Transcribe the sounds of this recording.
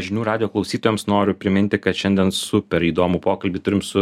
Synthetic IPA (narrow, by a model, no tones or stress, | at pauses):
ʒʲɪnʲuːɾɑːd̪ʲɪjoːklˠɒʊsʲiːt̪oːjɛːmsnoːɾʲʊpʲɾʲɪmʲɪnʲt̪ʲɪkɐt̪ʃʲɛnʲd̪ʲɛnsʊpʲɛɾiːd̪oːmʊpoːkɐlʲbʲiːt̪ʊɾʲɪmsʊ